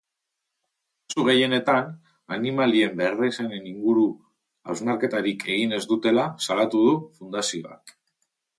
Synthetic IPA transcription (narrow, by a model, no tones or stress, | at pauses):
t͡suɣ̞e̞je̞ne̞t̪an | animalie̞mbereseneniŋɡuɾu | awznaɾke̞t̪aɾike̞ɣ̞ine̞zd̪ut̪e̞lasalat̪uð̞ufund̪asio̞a̰k